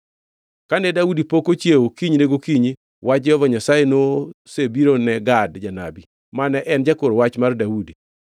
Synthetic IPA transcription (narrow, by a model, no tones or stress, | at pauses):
kanɛdaudipokot͡ʃjewokiɲneɡokiɲi | wat͡ʃɔvaɲasajenosebiɾonɛɡadd͡ʒana̰bi | manɛʔɛnd͡ʒakoɾwat͡ʃmardaudi